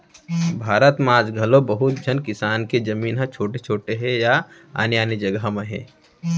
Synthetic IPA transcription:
bʱaːɾət̪mãːd͡ʒɡʱɐlõbəɦʊt̪̚d͡ʒʱɐnkɪsaːnked͡ʒɐmiːnɦɐ̃t͡ʃʰoːʈet͡ʃʰoːʈeɦɛ̃ja | a̰ːnjaːnid͡ʒɐɡɦmẽɦɛ̰̃ː

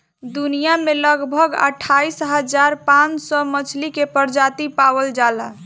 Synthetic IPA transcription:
d̪unijameləɡbʱəɡə̰ʈʰaisɦəd͡ʒaɾpãnt͡ʃsɔmət͡ʃʰlikepəɾd͡ʒat̪ipawəld͡ʒalə

